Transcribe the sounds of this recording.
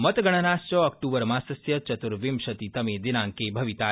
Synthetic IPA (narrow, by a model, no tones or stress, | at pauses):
mət̪ɡəɽ̃ɐnast͡ʃɔɔk̚ʈuːbəɾmãsɐsjɐt͡ʃɐt̪uɾʋimʃɐt̪it̪ɐmed̪inãŋkebʱɐʋit̪a